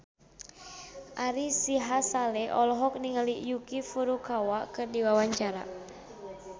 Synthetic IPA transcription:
ʔaɾisiɦasalɛʔɔlɔɦɔk̚niŋəliʔjukifuɾukawakɨrdiwawaɲt͡ʃaɾa̰

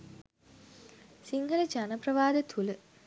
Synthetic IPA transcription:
siŋɡələd͡ʒanəprɐʋaːd̪ət̪ʰulə

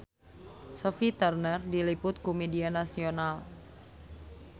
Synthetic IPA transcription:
sofit̪ərnərdilipʊt̪̚komedianasional

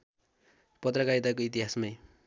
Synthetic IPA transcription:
pʌt̪rʌkait̪ʌjkoit̪iɦasmaj

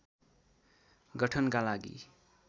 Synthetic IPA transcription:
ɡʌʈʰʌnkalaɡḭ

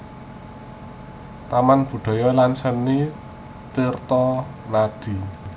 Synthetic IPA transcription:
t̪amanb̥ṳɖ̪̥ɔ̤jɔlansənːi | t̪irt̪ɔ | nad̪̥i̤

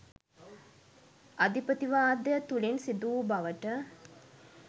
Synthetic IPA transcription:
ʔɐd̪ipət̪iʋaːd̪jət̪ulinsid̪uːbɐʋəʈə

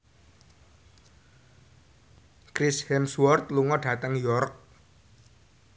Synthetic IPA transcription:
kɾishɛmswɔrt̪luŋɔɖ̥ä̤t̪əŋjɔrk̚

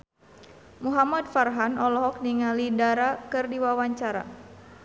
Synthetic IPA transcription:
muɦamadfarɦanɔlɔɦɔk̚niŋalidaɾakɨrdiwawaɲt͡ʃaɾa̰

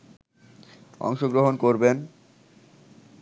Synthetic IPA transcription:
ɔ̰ŋʃoɡɾoɦonkoɾben

